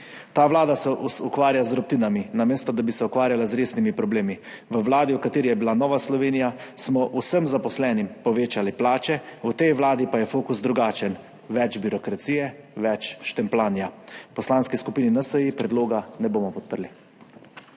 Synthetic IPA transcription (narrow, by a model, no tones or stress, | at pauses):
t̪aːʋlaːd̪asɛʔusukʋaːɾjazd̪ɾɔp̚t̪iːnaminameːst̪ɔd̪abisɛukʋaːɾjalazɾeːsnimipɾɔbleːmi | ʋəʋlaːd̪iwkat̪eːɾijɛbilanɔːʋaslɔʋeːnijasmɔʔusəmzapɔslɛːnimpɔʋeːt͡ʃaliplaːt͡ʃɛut̪ɛjʋlaːd̪ipajɛfoːkusd̪ɾuɡaːt͡ʃɛn | ʋɛt͡ʃbiɾɔkɾat̪siːjɛʋɛt͡ʃʃt̪ɛmplaːnjapɔslanskiskupiːninasəjipɾɛd̪loːɡanɛboːmɔpɔt̪̚pəɾli